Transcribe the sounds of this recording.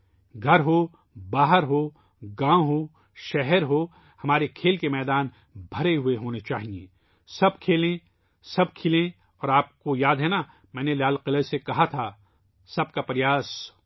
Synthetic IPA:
ɡʱɐɾɦo | baːɦəɾɦoː | ɡãːɦoː | ʃɛɦɛɾɦoː | hɐmaːɾekʰeːlkemɛːd̪aːn | bʱɐɾeɦʊeɦoːnet͡ʃaːɦiḛ̃ː | sɐb̚kʰeːlẽ | sɐb̚kʰɪlẽ | ɔːɾaːp̚kojaːd̪ɦɛna | mɛ̃ːnelaːlqɪləsekɐɦat̪ʰa | sɐb̚kapɾɪjaːs

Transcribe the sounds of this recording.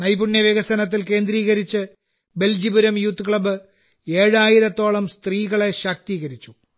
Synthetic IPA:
nɐjbuɳjɐʋeɣɐsɐnɐt̪̬ːilke̞ːnd̪ɾiːɣɐɾit͡ɕːɨ | be̞ld͡ʑibuɾɐmjuːt̪ːɨkɭɐbɨ | e̞ːɻaːjiɾɐt̪ːo̞ːɭɐmst̪riːɣɐɭe̞ɕɐk̚t̪iːɣɐɾit͡ɕːu

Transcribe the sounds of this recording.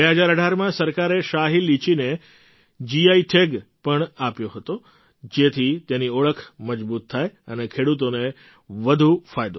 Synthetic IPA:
eɦəd͡ʒaɾəɖʱaɾmãsəɾkaɾeʃaɦilːit͡ʃine | d͡ʒiaiʈʰeɡpəɳapjoɦət̪o | d͡ʒet̪ʰit̪eniɔɭəkʰməd͡ʒbut̪ʰːajənekʰeɽut̪one | ʋəd̪ʱufajd̪o

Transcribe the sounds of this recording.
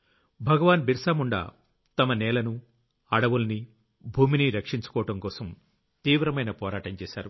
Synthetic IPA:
bʱɐɡɐʋaːnbiɾsaːmuɳɖɐ̰ː | t̪ɐmɐnɛːlɐnu | ɐɽɐʋulɐni | bʱuːminiɾɐkʂiɲt͡ʃu̥kɔːɐʈɐmkɔːsɐm | t̪iːʋɾɐmɐjnɐpɔːɾaːʈɐmt͡ʃɛːsa̰ːɾu

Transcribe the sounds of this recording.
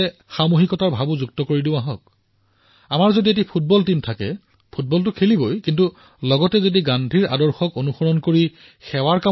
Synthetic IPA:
ɛxamoɦikɔtaɹbʱabuzuk̚tɔkoɹidĩʊ̃aɦɔk̚ | amaɹzodiet̬ipʰut̚bɔltimtʰakɛ̰ | pʰut̚bɔltʊkʰelibojkintu | lɔɡɔtɛzodiɡandʱiɹa̰dɔɹxɔkonuxɔɹɔnkoɹi | xɛwaɹka

